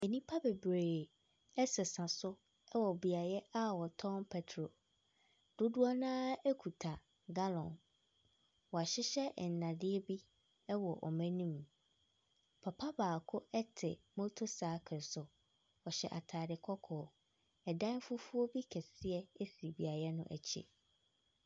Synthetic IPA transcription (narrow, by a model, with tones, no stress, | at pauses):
ɛ˨nĩ˦pʰa˦bɛ˨bɾeː˨ | ɛ˦sɛ˨sã˨sʊ˦ | ɛ˦wɔ˨bi˨a˨jɛ˦a˦wɔ˨tʰɔ̃˦npʰɛ˦tʰɾo˨ | d̥ʊ˦dʊ˦a˦nãː˦ɛ˦kʰu˨tʰa˨ | ɡa˦lɔ̃˨n | wɔ˨a˨ɕɪ˦ɕɛ˦ʔn̩˨nã˨dɪ˦ɛ˦bi˦ | ɛ˦wɔ˨ʔɔ̰˨mɛ̃˦nĩ˦m | pʰa˨pʰa˦baː˨kʰʊ˦ɛ˦tʰɪ˨mõ˦tʰo˦saː˨˦kʰɪ˨sʊ˨ | ɔ˨ɕɛ̰˨ʔa˨tʰaː˨dɪ˨kʰɔ˦kʰɔː˨ | ɛ˨dã˦fʊ˦fu˦ɔ˦bi˦kʰɛ˨sɪ˦ɛ˦e˦si˨bi˨a˨jɛ˦nʊ̰̃˦ʔæ̰˨t͡ɕʰḭ˨